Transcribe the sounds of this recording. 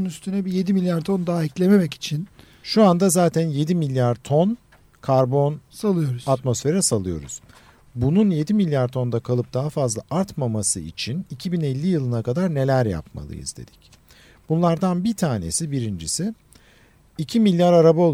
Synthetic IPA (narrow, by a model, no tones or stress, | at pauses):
nyst̪ʰynɛbije̞d̪imilʲjaɾt̪ʰo̞nd̪aːiclʲeme̞mɛci̥t͡ʃʰin | ʃuand̪azaːt̪ʰænje̞d̪imilʲjaɾt̪ʰo̞n | kʰaɾbo̞nsalˠɯjo̞ɾuz̥at̪mo̞sfe̞ɾɛsalˠɯjo̞ɾṵz̥ | bununje̞d̪imilʲjaɾt̪ʰo̞nd̪akʰalˠɯp̚d̪̥aɦafazlˠa̰ʔaɾt̪mamasɯḭt͡ʃʰinicʰibinɛlʲːijɯlˠɯnakad̪aɾne̞lʲæɾja̰p̚ma̰lˠɯ̰jḭzd̪e̞̰d̪̥i̥c | b̥unlˠaɾd̪anbit̪ʰaːne̞̰sibiɾind͡ʒisɪ | icʰimilʲːjaɾaɾabao